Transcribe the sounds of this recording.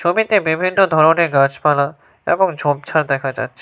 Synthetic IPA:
ʃomit̪ebebʱinːod̪ʱɔɾoneɡad͡ʑpala | ḛbɔŋd͡ʑʱom̚t͡ɕʰaɾd̪ɛkʰad͡ʑa̰tːɕʰi

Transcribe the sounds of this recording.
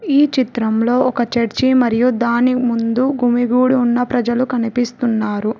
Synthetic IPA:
iːt͡ʃit̪ɾɐmlo̞ːɔkɐt͡ʃɐɾt͡ʃimɐɾijud̪aːnimund̪uɡʱumiɡuːɽuːnːɐpɾɐd͡ʒɐlukɐnipist̪unːaːɾu

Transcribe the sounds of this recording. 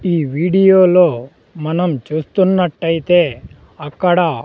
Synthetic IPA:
iːʋiːɖijoːloː | mɐnɐmt͡ʃuːst̪unːɐʈːɐjit̪eː | ɐkːɐɽɐ

